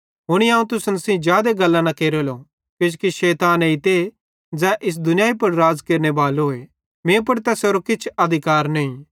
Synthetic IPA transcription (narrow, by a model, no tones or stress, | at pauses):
ɦʊɽ̃iãːũt̪ʊsənsĩd͡ʒjaːd̪eɡɐlːãnɐkeːɾolo | ked͡ʒkiʃɛːt̪aːneɪt̪e | d͡zɛ̃ːʔɪs̬d̪ʊnjaːipɐɾɾaːd͡zkeːɾnebaːloːe | mẽːp̬ɐɾt̪ɛsoːɾokɪt͡ʃʰɐd̪ʱɪkaːɾnɐĩ